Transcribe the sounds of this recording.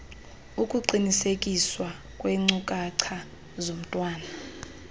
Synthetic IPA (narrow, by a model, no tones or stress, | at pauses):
ukʼuǃinisekʼiswa | kʼweŋ͡ǀukʼaǀʰa | zom̩tʼwaːna